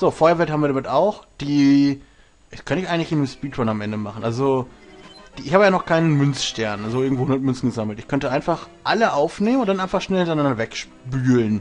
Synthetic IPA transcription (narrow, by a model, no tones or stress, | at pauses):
z̥oːfɔɐɐvɛlthabm̩viɐɾamɪtaʊxd̥iː | ɛkʰœntəɪçʔaɪɡŋ̩tlɪçɪnɪʃpiːtʁɔnamʔɛndəmaχn̩ʔalzo | d̥iːɪçhaːbəjaːnɔχkʰaɪnənmʏnt͡sʃtɛɐnʔalzoʔɪɐɡŋ̩tvoːʊndɐtmʏnt͡sn̩ɡəzaml̩tɪçkʰœntəʔaɪnfaχʔaləʔaʊfneːmənʊntdanʔaɪnfaχʃnɛlhɪntɐɪnandɐvɛkʃ | pyːlən